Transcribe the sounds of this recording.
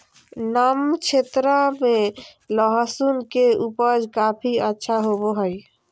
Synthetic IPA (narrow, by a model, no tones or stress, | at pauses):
namt͡ʃʰet̪ɾameləɦəsunkeupəd͡ʒkapʰiətːʃʰaɦoboɦəj